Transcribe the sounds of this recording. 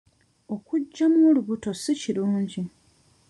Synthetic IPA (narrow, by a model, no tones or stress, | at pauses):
o̞kuɟːamoːluβuto̞siciɾuːɲɟi